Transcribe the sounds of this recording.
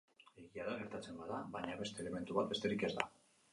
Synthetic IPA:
e̞ɣiaðaɣe̞ɾt̪at͡se̞mbaðaβaɲaβe̞st̪e̞ːle̞me̞nt̪uβat̪̚be̞st̪e̞ɾike̞zða̰

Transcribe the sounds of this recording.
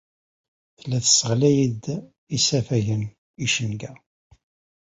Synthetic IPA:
θəlːæθəsəʁlæjid̪ | isæfæʝən | iʃənɡæ

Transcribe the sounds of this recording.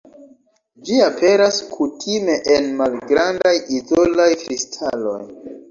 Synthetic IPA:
d͡ʒiapʰe̞ɾaskʰutʰime̞ʔenmalɡɾandajizo̞lajkɾistʰalo̞̰j

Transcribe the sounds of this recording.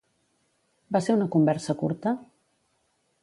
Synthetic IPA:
baseɾunəkumbɛɾsəkṵɾt̪ə

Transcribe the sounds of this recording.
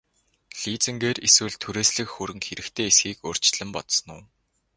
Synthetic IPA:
ɮiːt͡sɘ̆ŋɡeːreswɘ̆ɮt̪ʰuɾeːsɮɘ̆kxuɾɘ̆ŋxeɾɘ̆kt̪ʰeːesxiːkor̥t͡ɕ̪ɮɘ̆mpɔt̪sɞ̆nʊː

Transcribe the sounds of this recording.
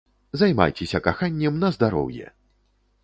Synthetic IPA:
zajma̰jt͡sʲɛsʲɐkaxanʲːɛmnɐzd̪aɾɔ̰wjɛ̰

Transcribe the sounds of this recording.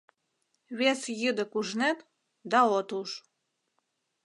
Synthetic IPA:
βesjəd̪ə̆kuʒnet̪ | d̪ɑot̪uʃ

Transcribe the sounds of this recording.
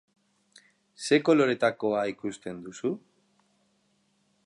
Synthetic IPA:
se̞ko̞lo̞ɾe̞t̪ako̞aikust̪e̞nd̪usu

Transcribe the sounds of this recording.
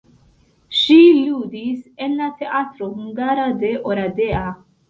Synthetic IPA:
ʃilud̪isenlat̪eʔat̪ɾohuŋɡaɾad̪eʔoɾad̪ea

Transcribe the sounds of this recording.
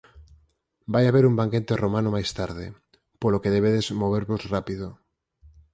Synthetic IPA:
bajaβeɾumbaŋket̪eromanomajst̪aɾð̞e | polokeðeβ̞eðezmoβ̞eɾβozrapiðo

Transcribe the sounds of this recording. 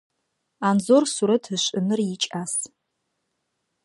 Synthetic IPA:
anzorsuɾɐtʰɨɕʷʼɨnɨrjɪt͡ʃʼas

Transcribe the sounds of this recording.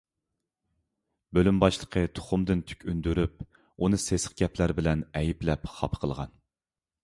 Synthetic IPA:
bølymbɑʃlˠəqʰət̪ʰo̥χʊmd̪ɨnt̪ʰy̥kʲynd̪yɾyp̚ | unɨsesə̥q̚ɡʲɛplæɾbɪlɛnɛjiplɛpχɑ̰pʰə̥qʰəlˠʁɑ̰n

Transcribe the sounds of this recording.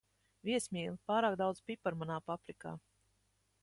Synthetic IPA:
vʲiɛsmʲiːlˠɨpaːɾaːk̚d̪awd̪zpʲipaɾmanaːpapɾika̰ː

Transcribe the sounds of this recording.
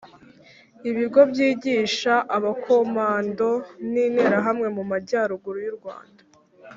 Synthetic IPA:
iβiɡo̞bjiːɟiːʃaʔaβakʰo̞maːndo̞niːneɾaɦamŋe̞mumaɟaːɾuɡuɾujuɾɡwa̰ːndḁ

